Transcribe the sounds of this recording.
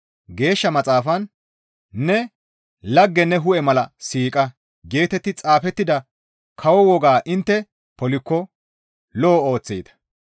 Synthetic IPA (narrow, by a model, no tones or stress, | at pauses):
ɡe̞ːʃːɐmɐt͡sʼaːfɐn | nɛ | lɐɡːɛnɛɦʊʔɛmɐlɐsiːkʼɐ | ɡe̞ːt̪ɛt̪ːɪt͡sʼaːfɛt̪ːɪd̪ɐ | kʰɐwɔwɔɡaːʔɪnt̪ːɛ | pɔlɪkːɔ | loːo̞ːt͡sːḛːt̪ɐ̥